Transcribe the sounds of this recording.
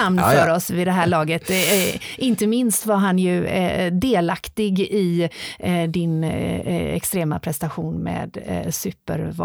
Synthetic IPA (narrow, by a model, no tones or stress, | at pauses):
amnfœɾɔsvɪd̪ɛɦæːɭɑːɡət̪ʔɪnt̪əmɪnst̪vaɾɦanjɵd̪eːlakt̪ɪɡɪ | d̪ɪn | ɛ̰kst̪ɾeːma̰pʰɾɛst̪aɧuːnmḛːd̪sʉːpə̰ɾv